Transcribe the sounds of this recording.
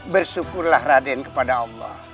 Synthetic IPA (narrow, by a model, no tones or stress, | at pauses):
bərsukʊrlahradɛnkə̥padaːlːɔ̰h